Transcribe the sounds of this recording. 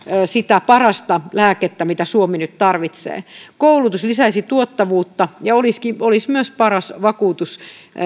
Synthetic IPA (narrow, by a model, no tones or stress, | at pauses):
sit̪æpɑrɑst̪ɑlæːket̪ːæmit̪æsuominyt̪t̪ɑrʋit̪sḛːkoulut̪uslisæisit̪uot̪ːɑʋuːt̪ːɑjɑoliskiolismyøspɑrɑsʋɑkuːt̪us